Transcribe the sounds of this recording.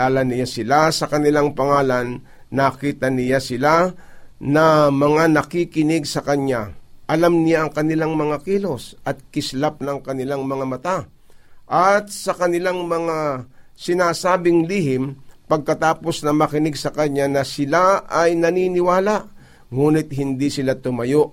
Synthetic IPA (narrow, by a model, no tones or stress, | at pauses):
aːlɐnɪjasɪlasɐkɐnɪlaŋpɐŋaːlɐnː | aːkiːt̪ɐnɪjasɪla | nɐmɐŋanɐkikɪnɪɡsɐkɐɲaʔɐlamnɪjaɐŋkɐnɪlaŋmɐŋakiːlo̞sʔɐt̪̚kɪslap̚nɐŋkɐnɪlaŋmɐŋamɐt̪a | ʔɐt̪̚sɐkɐnɪlaŋmɐŋasɪnaːsaːbɪŋliːhɪmpɐɡ̚kɐt̪aːpo̞snɐmɐkɪnɪɡsɐkɐɲanɐsɪlaʔɐjnɐninɪwaːlaʔ | ŋuːnɪt̪̚hɪnd̪isɪlat̪ʊmɐjo̞ʔ